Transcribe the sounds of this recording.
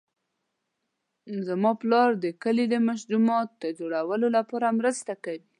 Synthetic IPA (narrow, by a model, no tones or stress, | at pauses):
zamɑplɑɾd̪əkəled̪əmaʃd̪umɑt̪̚d̪əd͡ʒoɽawəlolapɑɾamɾəst̪akawi